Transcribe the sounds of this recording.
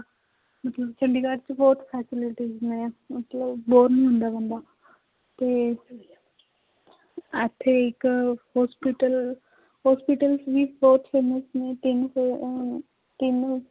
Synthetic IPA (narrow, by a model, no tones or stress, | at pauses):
mət̪ləbt͡ʃʰəɳɖiːkaːɾt͡ʃbɔːt̪pʰɛːsɪlɪʈiznaãːmət̪ləbːoːɾnĩːɦʊ̃nd̪aːbə̃nd̪aː | t̪eː | ət̪ʰːeːɪkhɔːspiʈəl | ɦɔːspiʈəlsʋiːbɔːt̪pʰeːməsnẽːʈɪn | ʈɪn